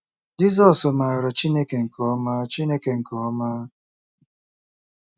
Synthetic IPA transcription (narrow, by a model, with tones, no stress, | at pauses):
d͡ʒi˦zɔ˦sʊ˨ma˨a˨ɾɔ˨t͡ʃi˦ne˦ke˨ŋ̩˨kʰɔ˦maː˦t͡ʃi˦ne˦ke˨ŋ̩˨kɔ˨˦maː˦